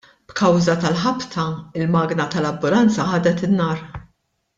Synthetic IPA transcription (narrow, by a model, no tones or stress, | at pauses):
b̥kɐwzɐt̪ɐlħɐpt̪ʰɐɪlmɐːɡnɐt̪ɐlɐbːʊlɐnt͡sɐħɐːd̪ɛt̪ɪnːɐːɾ